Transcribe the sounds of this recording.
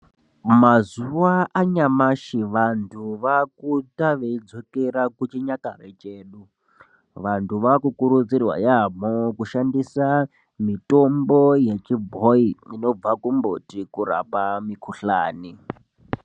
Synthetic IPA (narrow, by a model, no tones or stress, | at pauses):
mazuwaʔaɲamaʃiʋantʰuʋakutaʋeid͡zo̞keɾakut͡ʃiɲaka̰rḛt͡ʃeːɗu | ʋantʰuʋakukuɾud͡zirwa̰jam̤okuʃandisa | mito̞mbo̞je̞t͡ʃibʱoiino̞b͡vakumbotikura̰pamikʰuɬa̰ːni